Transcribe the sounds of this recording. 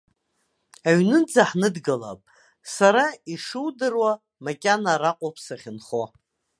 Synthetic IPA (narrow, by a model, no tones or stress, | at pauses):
aɥnɨnd͡zaħnɨdɡala̰pʼ | saɾaiʂɨwdɨrwa | makʲʼanaɾaqʷʼopʰsaχʲɪnχo